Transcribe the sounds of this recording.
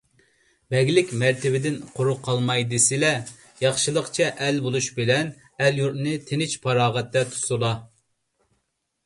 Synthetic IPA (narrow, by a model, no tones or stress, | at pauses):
bɛɡʲlɪkʲmæɾt̪ʰɪbɪd̪ɪnqʰoɾuqʰːɑlˠmɑjd̪ɨsɪlɛ | jɑχʃɨlˠəqt͡ʃʰɛʔɛlbolˠuʃbɪlɛn | ɛljuɾt̪nɨt̪ʰenɪt͡ʃpʰɑɾɑːʁɛt̪ːɛt̪ʰu̥sulˠɑ